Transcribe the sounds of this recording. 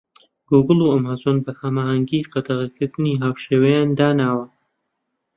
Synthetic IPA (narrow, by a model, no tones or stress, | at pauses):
ɡ̥uɡɨlˠuɐmazonbɐhɐmaːhɐŋɡiqɑd̪ɐʁɐkʰɨɾd̪ɨniɦaːwʃeːwɐjaːnd̪aːnaːwɐ